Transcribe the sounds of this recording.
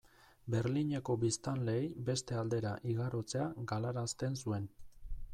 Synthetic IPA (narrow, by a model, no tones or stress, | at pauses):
be̞ɾliɲeko̞bist̪anle̞ːjbe̞st̪e̞ald̪e̞ɾaʔiɣaɾo̞t͡se̞aɡalaɾast̪e̞nsue̞n